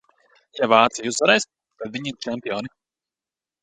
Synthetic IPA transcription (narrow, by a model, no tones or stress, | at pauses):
javaːt̪sijuzvaɾɛjs | t̪ad̪viɲiɾt͡ʃɛmpʲijɔːni